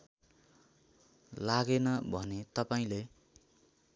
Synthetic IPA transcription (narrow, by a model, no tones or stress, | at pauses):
laɡenʌbʱʌnet̪ʌpaĩle